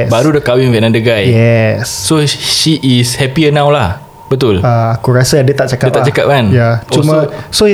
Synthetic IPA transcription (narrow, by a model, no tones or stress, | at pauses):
baɾudəkawĩŋvɛnãndəɡajjɛsːoʃiʔːshɛpiənãwlah | b̥ət̪ʊlaakuɾasaadət̪aʔ̚t͡ʃakadət̚p̪alat͡ʃakap̚mãnjat͡ʃɔuməso